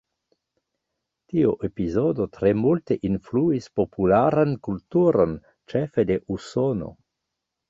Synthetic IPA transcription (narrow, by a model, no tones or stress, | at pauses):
tioʔepizodotɾemulteʔinfluispopulaɾankultuɾon | t͡ʃefedeʔusono̞̰